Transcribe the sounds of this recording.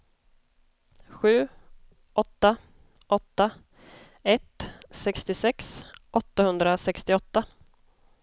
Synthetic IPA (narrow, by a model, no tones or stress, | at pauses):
ɧʉ̟ː | ʔɔt̪ːa | ʔɔt̪ːa | ɛt̪sɛkst̪ɪsɛksʔɔt̪ːahɵnd̪ɾasɛkst̪ɪɔt̪ːa